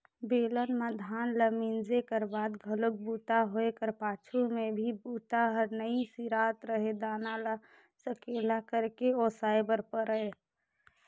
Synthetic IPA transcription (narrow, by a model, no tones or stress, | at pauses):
beːlənmad̪ʱaːnləmind͡ʒekəɾbaːd̪ɡʱəlʊk̚buːt̪aɦoekəɾpaːt͡ʃʰumẽbʱibuːt̪aɦəɾnəisiɾaːt̪ɾəɦed̪aːnala | səkeːlakəɾkeoːsaːɪbəɾpəɾəɦe